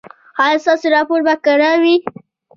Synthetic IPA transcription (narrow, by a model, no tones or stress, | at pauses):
hajst̪ɑsoɾɑpoɾbakaɽawi